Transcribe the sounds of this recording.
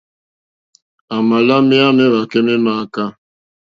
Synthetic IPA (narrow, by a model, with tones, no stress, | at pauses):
a˨ma˨la˦mɪ˦a˦mɪ˦ɾa˨ke˦mɪ˦ma˦a˦ka˦